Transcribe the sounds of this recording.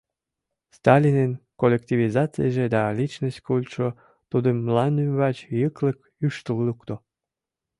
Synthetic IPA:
st̪ɑlʲinenkolʲek̚t̪ʲivizɑt͡sɨ̰jʒed̪ɑlit͡ɕnosʲtʲkulʲt̪ʃo | t̪ud̪əmːlɑnymβɑt͡ɕjəklək | yʃt̪əllukt̪o

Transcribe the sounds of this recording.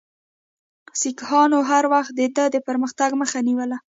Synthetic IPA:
sikhɑnoɦaɾwaxt̪̚d̪əd̪əd̪əpəɾməxt̪aɡməxaniwəla

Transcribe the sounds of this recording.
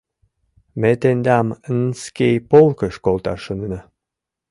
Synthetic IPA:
met̪end̪ɑmənskʲejpolˠkə̆ʃkolˠt̪ɑ̰ʃənnə

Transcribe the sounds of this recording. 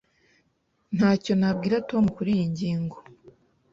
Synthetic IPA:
nhaːco̞nab̚ɡiːɾato̞mukuɾiːjiɲɟiːŋɡo̞

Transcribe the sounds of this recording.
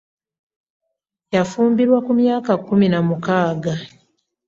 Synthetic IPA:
jafuːmbiɾwakumjaːkakːuminamukaːɡa

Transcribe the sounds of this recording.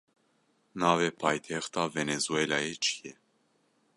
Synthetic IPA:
navɛpʰajt̪ʰɛxt̪ʰavenezuɛlajɛt͡ʃʰi̥jɛ

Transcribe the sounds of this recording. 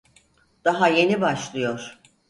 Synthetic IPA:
d̪̥aɦaje̞nibaʃlˠɯjo̞ɾ̥

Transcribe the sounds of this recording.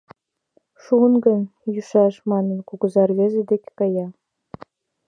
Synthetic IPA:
ʂŭnɡɤ̆nʲjuʂɑʂmɑnɤ̆nkuɡɤ̆zɑrʋʲezʲĕd̪ʲekʲkɑjɑ

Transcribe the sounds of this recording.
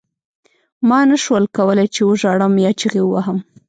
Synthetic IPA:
mɑnaʃwəlkawəlajt͡ʃewəʒɑɽəmjɑt͡ʃiɣewəwaɦəm

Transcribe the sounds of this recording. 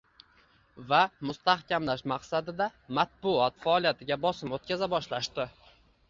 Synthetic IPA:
vamʊst̪ahkʲamlaʃmaqsad̪ɪd̪amat̪̚bʊɒt̪faɒlijat̪ʰɪɡʲabɒsɪmot̪̚kʲazabɒʃlaʃt̪ɪ

